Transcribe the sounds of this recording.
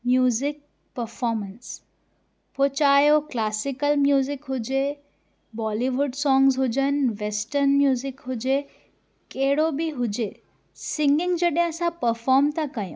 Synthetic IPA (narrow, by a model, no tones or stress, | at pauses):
mjuːzɪk̚ | pəɾfɔːɾməns | pʰot͡ʃaːjoklaːsikəlmjuːzɪkɦʊd͡ʒe | bɔːliʋʊɖsɔ̃ːŋɡzɦʊd͡ʒənʋesʈəɾnmjuːzɪkɦʊd͡ʒe | keɦɽobʱiɦʊd͡ʒeː | sɪŋɡɪŋɡd͡ʒɐɗãəsãpəɾfɔːɾmt̪akɐjõ̰